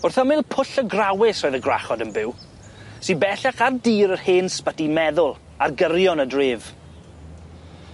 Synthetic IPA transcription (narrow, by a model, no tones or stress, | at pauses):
ʊrθɔmɪlˠpʰʊɬəɡrawɪsroːjðəɡra̰χɔdənbɪw | sibɛɬaχardiːɾərheːnspətimɛðʊlˠ | arɡərjɔnədrɪːv